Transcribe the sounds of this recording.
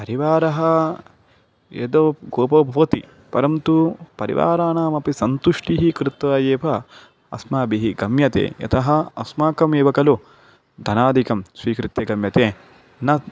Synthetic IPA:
pɐɾiʋaːɾɐɦɐ | ḛd̪oɡoːpɐbʱɐʋɐt̪i | pɐɾɐmt̪upɐɾḭʋa̰ːɾaːnaːmɐpisɐnt̪uʂʈiɦikɾɪt̪ʋaːjeːpɐ | ɐ̰smaːbiɦiɡɐmjɐt̪ḛːjɐ̰t̪ʰɐɦɐɐsmaːkɐmeːʋɐkɐlu | d̪ʱɐnaːd̪ʱikɐmsʋiːkɾɪt̪jɐɡɐmjɐt̪eː | nɐ

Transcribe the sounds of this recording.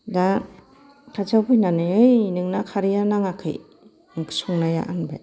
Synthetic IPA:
da | kʰazawbɯjnanɯjɯjnɯŋnakʰaɾijanaŋakʰɯ̰j | ŋkʰɯ̥sɔŋnaja̰ʔanba̰j

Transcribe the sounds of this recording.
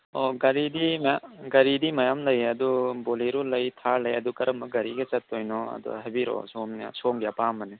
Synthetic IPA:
ɔɡɐɾidimjɡɐɾidimɐjamlɐjɐduboliɾulɐjtʰaɾlɐjɐdukɐɾɐmbɐɡɐɾiɡɐt͡ʃɐtːojnɔɐ̰dɔ̰ɦajbiɾɔ̰som̰soŋɡijapamːɐne

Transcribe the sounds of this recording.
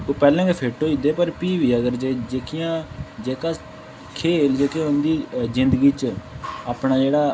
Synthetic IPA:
opɛːlɛ̃ːkeːpʰeːʈoːid̪eːpəɾpiːʋiːəɡəɾd͡ʒeːd͡ʒeːkʰijãːd͡ʒeːkaː | kʰeːld͡ʒeːkjãːʊnd̪iːzɪnd̪əɡiːt͡ʃaːpɳaːd͡ʒeːɽaː

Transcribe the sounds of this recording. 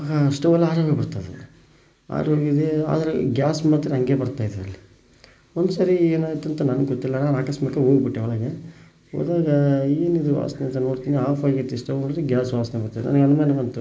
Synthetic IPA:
aːɡɐsʈɐʋɐlːɐaːɾoːɡɐbɐɽt̪ɐd̪ḛ | a̰ːɾoːɡid̪ea̰ːd̪ɐɾeɡjaːsmaːt̪ːɾeɐŋɡe̞ːbɐɾt̪aːjd̪iɾɐlːi | ond̪usaːɾieːnaːɡit̪ɐnt̪ɐnɐnɐɡɡot̪ːilːɐnaːnaːkɐsmɐkːɐɦoːɡbiʈːeɐɭɐɡe | ɦo̰ːd̪aːɡɐeːnid̪uʋa̰ːsɐnent̪ɐno̞ːɽt̪iːniaːfɐɡɐt̪ːisʈɐʋoːɽid̪ɾeɡjaːsʋaːsɐnɐbɐɽt̪ad̪ɛ̰nʔɐ̰nɐɡeɐnumaːnɐʋɐnt̪u

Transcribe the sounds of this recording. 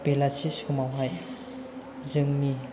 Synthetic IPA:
pelasiskumawɦaj | zɯŋmi

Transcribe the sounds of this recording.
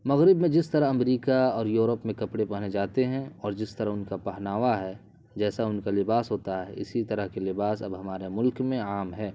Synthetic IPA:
mɐɣɾɪbmẽd͡ʒɪst̪əɾəɦɐmɾiːkaɔːɾjuːɾəpmẽkɐpɽepɐɦned͡ʒaːt̪eɦɛ̃ɔːɾd͡ʒɪst̪ɐɾəɦʊnkapɐɦnaːʋaɦɛ | d͡ʒɛːsaʊnkalɪbaːsɦoːt̪aɦɛ̰ɪsit̪ɐɾəɦkelɪbaːsɐ̰bɦɐmaːɾemʊlkmẽaːmɦɛː

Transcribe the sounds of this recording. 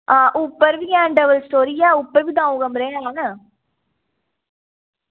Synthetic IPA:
ãːʔʊpːɐɾʋiãːɳɖɐʋɐlst̪oɾijaːʊpːɐɾʋid̪ãːuɣɐmɾɐjaanɐ

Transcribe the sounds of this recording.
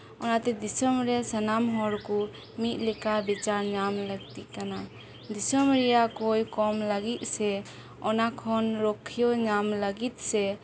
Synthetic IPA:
ɔnat̪ɛd̪isɔmɾɛsanamɦɔɾkɔ | mit̪̚ˀlɛkabit͡ʃaɾɲamləɡ̚t̪iʔkana | d̪isɔmɾɛjakojkɔmlaɡit̪̚ˀsɛ | ɔnakʰɔnɾɔkʰijɔɲamləɡit̪̚sɛ

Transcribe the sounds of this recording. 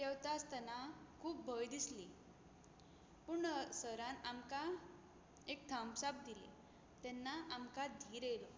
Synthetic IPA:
t̪ɛwt̪ast̪anakʰuːbːʱəjd̪isli | puːɳsəɾãnamka | ek̚t̪ʰãmsap̚d̪ilḛ | t̪ɛnːaʔamkad̪ʱiːɾelɔ

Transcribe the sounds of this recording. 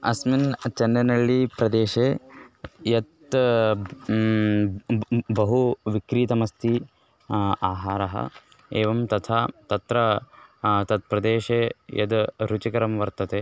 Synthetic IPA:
ɐsmint͡ʃɐnːɐnɐɭːipɾɐd̪eːʃeː | jɐt̪ | bɐɦuʋikɾiːt̪ɐmɐst̪ʰi | aːɦaːɾɐɦɐ̰ | eːʋɐmt̪ɐt̪ʰaːt̪ɐt̪ɾɐ | t̪ɐt̪̚pɾɐd̪eːʃejɐ̰d̪ɾut͡ʃikɐɾɐmʋɐɾt̪ɐt̪eː

